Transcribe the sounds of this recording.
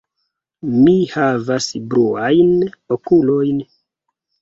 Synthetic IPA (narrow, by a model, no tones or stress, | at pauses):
mihavasbɾuajnokulo̞jn